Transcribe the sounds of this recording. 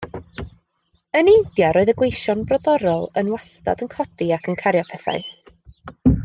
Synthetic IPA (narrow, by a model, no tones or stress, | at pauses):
ənɪnd̥jaɾoːɨðəɡwejʃɔnbrɔdɔɾɔlˠənwasta̰dənkʰɔdiakʰənkʰaɾjɔpʰɛθa̰ɨ